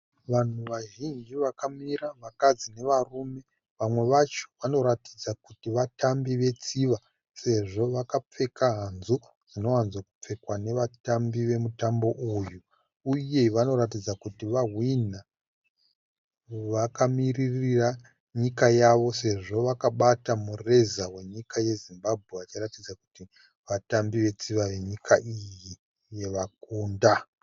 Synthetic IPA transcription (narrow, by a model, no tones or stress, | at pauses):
ʋan̤uʋaʒind͡ʒiʋakamiɾaʋakad͡zine̞ʋarume̞ | ʋamwe̞ʋat͡ʃo̥ʋano̞ɾatid͡zakutiʋatambiʋe̞t͡siʋa | se̞ʐo̞ʋakap͡fe̞kaɦanzu | d͡zino̞wanzwakup͡fe̞kwane̞ʋatambiʋe̞mutambo̞ʔujuː | je̞ʋano̞ɾat̬id͡zakutiʋaɦwina | ʋakamiririra | ɲikajaʋo̞se̞ʐo̞ʋakaɓatamure̞zawe̞ɲikaje̞zimbab̚ʱɣe̞ʋat͡ʃiratid͡zaku̥ti | ʋatambiʋe̞t͡siʋaʋe̞ɲikʰaʔiji | je̞ʋak̚uːnda